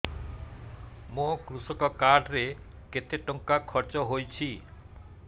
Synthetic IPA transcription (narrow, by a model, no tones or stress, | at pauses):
mokɾusɔkɔkaɖɾe | ket̪eʈɔŋkakʰɔɾt͡ʃɔɦojt͡ɕʰi